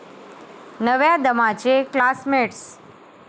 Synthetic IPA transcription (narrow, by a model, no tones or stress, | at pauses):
nəʋjãd̪əmat͡ʃeklasmeʈs